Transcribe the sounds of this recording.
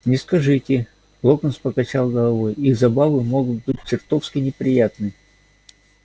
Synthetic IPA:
nʲɪskɐʐɨtʲɪ | lˠokənspəkɐt͡ɕalˠɡəlˠɐvojizɐbavɨmo̞ɡʊt̪̚bɨt̚ʲt͡ɕɪrt̪ofskʲɪnʲɪpɾʲɪjat̪nɨ

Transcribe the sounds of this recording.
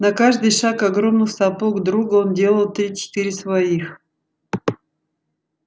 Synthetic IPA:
nɐkaʐd̪ɨjʂakɐɡɾo̞mnɨxsɐpoɡd̪ɾuɡəo̞ndʲe̞lˠəlˠt̪ɾʲit͡ɕɪ̥t̪iɾʲɪsvɐix

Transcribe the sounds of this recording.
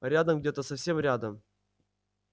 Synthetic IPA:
ɾʲad̪əmɡdʲet̪əsɐfsʲe̞mɾʲad̪əm

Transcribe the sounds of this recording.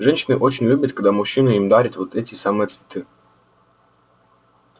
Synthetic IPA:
ʐɛnɕɪnɨʔot͡ɕɪnʲlʲubʲət̪̚kɐɡ̚d̪amʊɕːinəimd̪aɾʲɪt̪vot̪ɛtʲɪsamɨjət̪svʲɪ̥t̪ʰɨ

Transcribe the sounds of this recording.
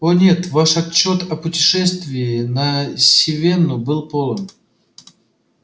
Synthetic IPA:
onʲe̞t̪vaʂɐt͡ɕːo̞t̪ɐpʊtʲɪ̥ʂɛst̪vʲɪːnəsʲɪvʲe̞nːʊbɨlˠpo̞lˠəm

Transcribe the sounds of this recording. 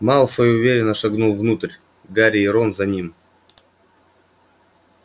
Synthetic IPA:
mɑlˠfəjʊvʲeɾʲɪnːəʂaɡnulˠvnut̪ərʲ | ɡaɾʲiɪɾonzɐnʲim

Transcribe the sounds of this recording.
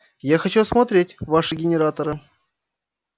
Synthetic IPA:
jaxɐt͡ɕusmɐt̪ɾʲetʲvaʂɨɡʲɪnʲɪɾat̪əɾɨ

